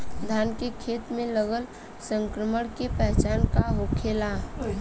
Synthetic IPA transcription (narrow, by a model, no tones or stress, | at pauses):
d̪ʱaːnkekʰeːt̪mẽləɡəl | sə̃ŋkɾəməɽkepɛɦt͡ʃaːnkaɦokʰeːla